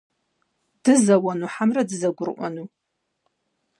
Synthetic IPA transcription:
d̥ɨzawanuħamradɨzaɡʷʊrʔʷa̰nu

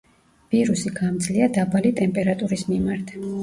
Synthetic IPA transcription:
v̥iɾusiɡamd̪zliad̪abalit̪ʼɛmpʼɛɾat̪ʼuɾismimaɾt̪ʰ

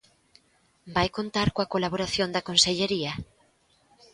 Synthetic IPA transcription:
bajkont̪aɾkoakolaβoɾaθjond̪ɐkonseʎeɾiɐ

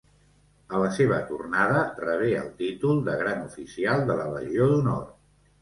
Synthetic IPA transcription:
ələseβ̞ət̪ṵrnað̞ərəβ̞eə̰lˠt̪it̪ulˠd̪əɣɾanufisialˠd̪ələrə̰ʒioðunɔrt̪

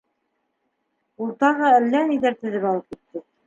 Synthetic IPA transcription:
ulˠt̪ɑʁɑælːæniðæɾt̪ɵ̆ðɘpɑlˠɤp̚kit̪ːɘ

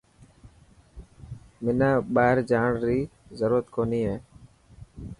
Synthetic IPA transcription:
mɪnãːɓaːɦɪɾd͡ʒaːɳɾiːzəɾuːɾət̪koːniːɦeː

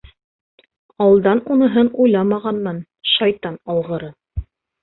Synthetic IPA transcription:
ɑwɤ̆lˠd̪ɑnunɤ̆ɦɤnujlˠɑmɑʁɑnmɤn | ʃɑjt̪ɑnɑlˠʁɤ̆ɾɤ

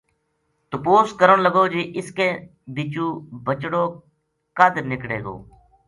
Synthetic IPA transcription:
t̪ʊpoːskəɾənləɡoːd͡ʒeːʔɪskẽː | biːt͡ʃũːbət͡ʃɽoː | kaːd̪əɾnɪkɽḛːɡo̰ː

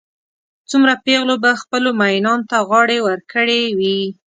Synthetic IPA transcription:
t͡sumɾapeɣlobaxpəlomajnɑnot̪aɣɑɽewəɾkəɽewi

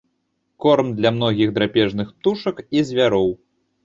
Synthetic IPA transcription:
kɔrmd̪lʲɐmnɔɣʲiɣd̪ɾapʲɛʐnɨxp̚t̪uʂɐkizʲvʲaɾɔw

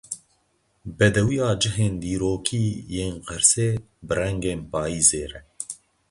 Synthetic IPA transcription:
bɛd̪ɛwijɑːd͡ʒɨɦeːnd̪iːɾoːkʰiːjeːnqɛɾseː | bɨrɛŋɡeːnpɑːiːzeːɾɛ

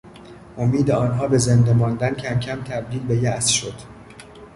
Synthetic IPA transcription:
ʔomiːd̪eɒːnɦɒːbe̞zend̪emɒːnd̪æncʰæmcʲʰæmt̪ʰæb̚d̪iːlbe̞jæsʃod̪̥

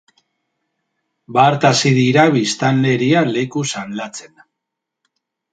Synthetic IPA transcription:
baːɾt̪asiðiɾaβist̪anle̞ɾiale̞kusanlat͡se̞n

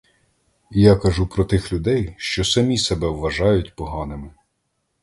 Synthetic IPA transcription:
jakɐʒupɾɔt̪ɪxlʲʊd̪ɛjʃt͡ʃɔsɐmʲisɛbɛwʋɐʒɑjʊtʲpɔɦɑnɪmɪ

